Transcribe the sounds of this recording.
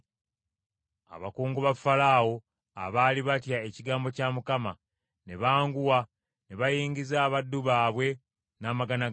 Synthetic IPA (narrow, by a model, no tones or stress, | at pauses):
a̰βakuːŋɡuβafalaːwo̞ | a̰βaːliβatjae̞ciɡaːmbo̞caːmukama | ne̞βaːŋɡuwa | ne̞βajiːɲɟizaːβadːuβaːβwe̞ | naːmaɡana